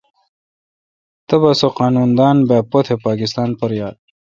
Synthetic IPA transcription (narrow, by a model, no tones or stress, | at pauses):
t̪ɐbɐsoqɑːnund̪aːnbaːpot̪ʰepaːkist̪aːnpɐɾjaːd̪̚